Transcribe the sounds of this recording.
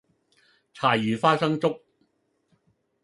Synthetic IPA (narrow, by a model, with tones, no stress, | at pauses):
t͡sʰaː˨˩jyː˨˩faː˥sɐ˥ŋt͡sʊ˥k̚